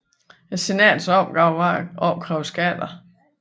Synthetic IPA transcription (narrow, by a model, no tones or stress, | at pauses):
se̝nɛ̰ːd̥sɒb̥ʊɑʔɒb̥̚kʰʁɛʊsɡ̥æd̥ɐ